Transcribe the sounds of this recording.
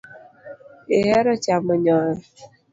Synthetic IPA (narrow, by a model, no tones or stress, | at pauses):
eɦeɾʊt͡ʃamʊɲɔɾʊ